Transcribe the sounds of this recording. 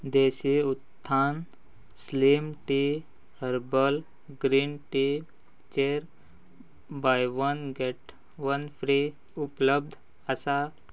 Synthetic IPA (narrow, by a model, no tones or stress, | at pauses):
d̪eɕiut̪ʰːaːn | slimʈi | həɾbəl | ɡɾiːnʈi | t͡ʃeɾ | bajʋənɡeʈ | ʋənfɾi | upləb̚d̪ʱ | əsa